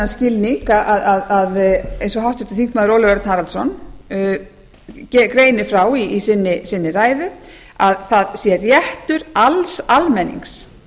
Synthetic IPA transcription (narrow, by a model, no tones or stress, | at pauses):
anscɪilniŋkaʔaðaðaðejnsɔɦawht̪ʏ̥t̪ɪθiŋkmaːðɪɾowlɪvɛɾt̪nhaɾalt̪sɔn | cɛkɾeːjnɪfɾawiisɪnːɪsɪnːɪraːjðʏ | aðθaðsjɛrjɛht̪ʏɾalsalmɛnːḭŋks